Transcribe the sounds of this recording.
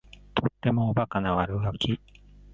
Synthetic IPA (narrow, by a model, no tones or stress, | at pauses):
t̪ʰo̞t̪ːe̞moːbakanaβaɾɯ̟ɡakʲi